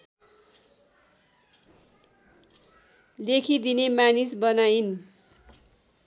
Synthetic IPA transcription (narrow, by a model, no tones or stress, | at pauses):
lekʰid̪inemanisbʌnain